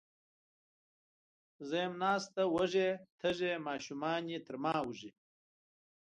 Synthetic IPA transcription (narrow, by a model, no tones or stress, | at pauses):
zɐmnaːst̪awɐʐet̪ʰɐʐemaːɕumaːnit̪ʰɐɾmaːwuʐi